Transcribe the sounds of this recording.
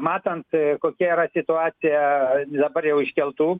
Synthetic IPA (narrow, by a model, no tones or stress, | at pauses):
mɑːt̪ɐnt̪koːkʲɛiːɾɐsʲɪt̪ʊɑːt̪sʲɪjɛd̪ɐbɐɾjɛʊɪʃʲkʲɛlˠt̪uː